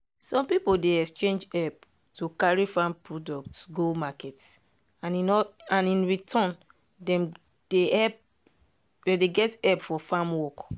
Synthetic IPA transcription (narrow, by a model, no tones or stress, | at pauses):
sɔ̃mpipodeɛkst͡ʃẽnd͡ʒɛp̚ | tukaɹifãmpɹɔdɔk̚tɡomakɛt | aninãnĩnɹitʰɔ̃n | dɛ̃m | d̥eɛp | dɛdeɡɛtɛpfɔfãmwɔk